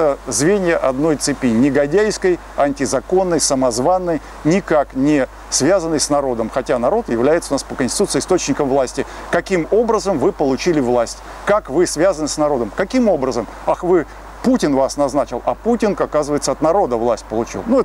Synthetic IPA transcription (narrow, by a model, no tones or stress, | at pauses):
əzvʲenʲɪjəʔɐd̪no̞jt̪sɨpʲinʲɪɡɐdʲæjskəj | ɐnʲtʲɪzɐko̞nːəjsəmɐzvanːəj | nʲɪkaknʲɪ | svʲazənːəjsnɐɾo̞d̪əmxɐtʲanɐɾo̞t̪jɪvlʲæjɪt̪səʊnaspəkənʲsʲɪ̥t̪ut̪sɨɪst̪o̞t͡ɕnʲɪkəmvlˠasʲtʲɪ | kɐkʲimo̞bɾəzəmvɨpəlˠʊt͡ɕilʲɪvlˠasʲtʲ | kakvɨsvʲazənɨsnɐɾo̞d̪əmkɐkʲimo̞bɾəzəm | axvɨ | putʲɪnvasnɐznat͡ɕɪlˠɐ̰putʲɪnkɐkazɨvəjɪt̪səɐt̪nɐɾo̞d̪əvlˠasʲtʲpəlˠʊt͡ɕḭlˠnuɛ